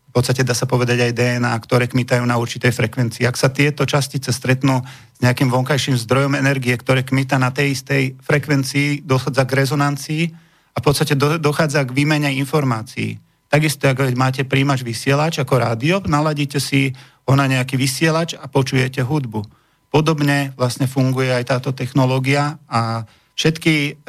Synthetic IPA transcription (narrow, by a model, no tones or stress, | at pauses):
fpɔt̪st̪acɛd̪aːsapɔʋɛd̪aɟajd̪ɛɛnaːkt̪ɔɾɛːkmit̪ajuːnauɾt͡ʃit̪ɛjfɾɛkʋɛnt͡siːaksat̪ɪɛt̪ɔt͡ʃascit͡sɛst̪ɾɛt̪nuː | z̥ɲɛakimʋɔŋkajʃiːmzd̪ɾɔjɔmɛnɛɾɡiɛkt̪ɔɾɛːkmit̪anat̪ɛjist̪ɛjfɾɛkʋɛnt͡siːd̪ɔxaːd͡zaɡɾɛzɔnant͡siː | afpɔt̪st̪acɛd̪d̪ɔxaːd͡zaɡʋiːmɛɲɛinfɔɾmaːt͡sḭḭ | t̪aɡist̪ɔaɡʋɛmaːcɛpɾiːmad͡ʒʋisɪɛlat͡ʃakɔɾaːd̪iɔnalaɟiːcɛsi | ɦɔnaɲɛakiːʋisɪɛlat͡ʃapɔt͡ʃujɛcɛɦud̪bu | pɔd̪ɔbɲɛʋlasɲɛfuŋɡujɛajt̪aːt̪ɔt̪ɛxnɔlɔːɡiaa | fʃɛt̪ki